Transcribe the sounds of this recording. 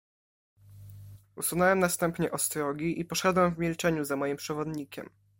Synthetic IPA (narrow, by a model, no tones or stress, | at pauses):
usunɛwɛmnast̪ɛmpɲɛʔɔst̪ɾɔɡʲiʔipɔʂɛd̪wɛmvmʲilt͡ʂɛɲuzamɔjimpʂɛvɔd̪ɲikʲɛ̰m